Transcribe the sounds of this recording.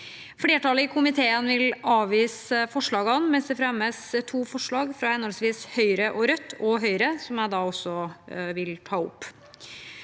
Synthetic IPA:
fleːʈɑːləɪkʰʊmɪt̪ʰeːənʋɪlɑːʋʋiːsəfɔʂɭɑːɡɑnmɛnsd̪ɛfɾɛmːəst̪ʰuːfɔʂɭɑːɡfɾɑɛnɔlsʋiːshœʏɾəʔɔɾœt̪ːɔɦœʏɾəsɔmæɪd̪ɑːɔsːɔʋɪlt̪ʰɑːʊ̰pː

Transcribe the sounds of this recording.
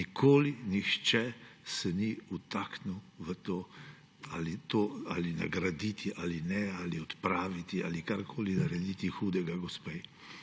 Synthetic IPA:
nikʰoːlinixt͡ʃɛsɛniut̪aknuwʋət̪oː | alit̪oːalina̰ɡɾad̪it̪ʰiʔaːlinɛaliɔt̪pɾaːʋit̪ia̰likaɾkʰoːlinɐɾɛd̪it̪ixuːd̪ɛɡaɡɔspɛj

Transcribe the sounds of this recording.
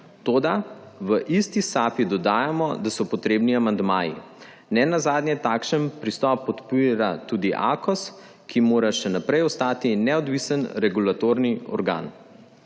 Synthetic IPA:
t̪oːd̪aʋəʔist̪isaːpid̪ɔd̪aːjamɔ̰d̪asɔpɔt̪ɾeːbniamand̪maːjḭ | nɛnazaːd̪nʲjɛt̪aːkʃənpɾist̪ɔpɔt̪piɾat̪uːd̪iʔa̰kɔs | kimoːɾaʃɛnapɾɛjɔst̪aːt̪inɛɔd̪ʋisənɾɛɡulat̪oɾniɔ̰ɾɡa̰ːn

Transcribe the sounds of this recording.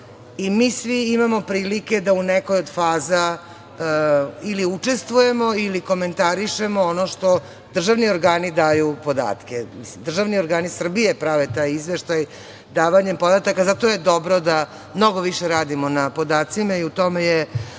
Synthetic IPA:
imiːsʋiimamo̞pɾiːlike̞d̪aunekojod̪faːza | iliut͡ʂe̞st̪ʋuje̞mo̞iliko̞me̞nt̪aɾiʃemoonoʃt̪o̞ | d̪r̩ʒaʋnio̞ɾɡaːnid̪aːjupo̞d̪a̰ːt̪kemisimd̪r̩ʒaʋnioɾɡaːnisr̩bije̞pɾaʋet̪ajizʋeʃt̪aj | d̪aːʋaɲempod̪at̪akazat̪ojed̪o̞bɾod̪a | mno̞ɡoʋiʃeɾaːd̪imo̞napo̞d̪aːt̪simaiut̪o̞meje

